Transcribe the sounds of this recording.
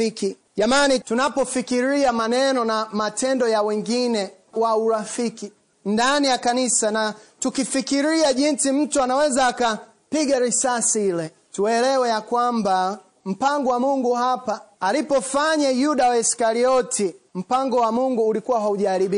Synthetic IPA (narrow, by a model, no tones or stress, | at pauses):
ki | ʄamanitunapɔfikiɾiamanɛnɔnamatɛndɔjawɛŋɡinɛ | wauɾafiki | ndanijakanisanatukifikiɾiaʄinsim̩tuanawɛzaːka | piɡaɾisasiilɛ | tuɛlɛwɛjakwamba | m̩paŋɡɔwamuŋɡuɦapaːlipɔfaɲajuɗawaiskaɾiɔtʰim̩paŋɡɔwamuŋɡuːlikuwaɦauʄaɾiɓi